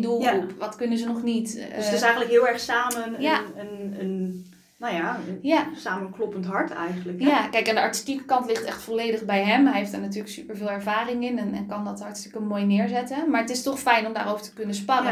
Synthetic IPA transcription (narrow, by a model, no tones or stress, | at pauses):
dulˠʋɑtkønəzənɔχnittɪsɛjɣən̩ləkɦɪəlˠɛɹχsaːmənjaənən | nojajasaːmənklɔpəntɦɑɹtɛ̰jɣənləkjakɛjkɛndəɑɹti̥stikə̥kɑntlɪχtɛxtfoleːjdəχbɛjɦɛmɦɛɦeftd̥aːɹnatyːɹləksypəɹvɪːlˠɛɹvaːrɪŋɪnɛnɛnkɑndɑtɦɑɹtstɪkəmoːjnɪːɹzɛtəmaːɹətɪstɔχfɛjnɔmdaːrowvəɹtə̥kɵnəspɑnə